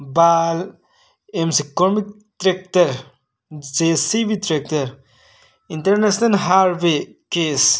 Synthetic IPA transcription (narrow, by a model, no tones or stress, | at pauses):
baːl | emsikoɾmik̚ | tɾek̚tɐɾ | d͡ʒesiʋitɾek̚tɐɾ | intɐɾnesnɐlɦaːɾʋekes